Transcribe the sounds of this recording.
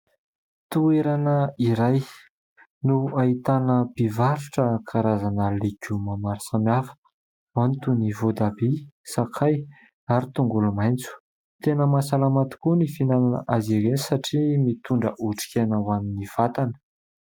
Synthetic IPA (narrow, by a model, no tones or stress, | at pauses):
t̪ueɾanəiɾaj | nuait̪anəb̥ivaɾuʈ͡ʂəkʰaɾazanəlekumamaɾisamjafə̥ | mant̪univod̪abisakʰaj | aɾit̪uŋɡulumajnt͡su̥ | t̪enəmasalamat̪i̥kunifinalanə̰ʔaziɾenisaʈ͡ʂimit̪uɳɖ͡ʐəʔuʈ͡ʂi̥kʲenawaminiv̥at̪anə̥